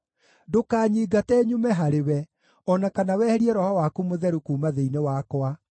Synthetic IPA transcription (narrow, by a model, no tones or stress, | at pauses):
dokaːɲiːɡatɛːɲumɛɦaɾewɛ | ɔnakanawɛːhɛɾiɛɾɔhɔwakumoðɛɾukuːmaðeinewakwa